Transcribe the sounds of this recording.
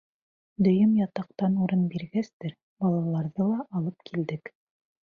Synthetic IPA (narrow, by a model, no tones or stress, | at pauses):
d̪ɵ̆jɵmjɑt̪ɑqt̪ɑnuɾɤnbiɾɡæst̪ɘɾ | bɑlˠɑlˠɑɾðɤlˠɑʔɑlˠɤpkʰild̪ɘk